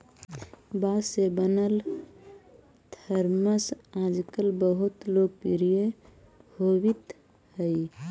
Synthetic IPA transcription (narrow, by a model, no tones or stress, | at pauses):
basebənəl | t̪ʰəɾməsãd͡ʒkəlbəɦut̪loɡ̚piɾije | howit̪ | həi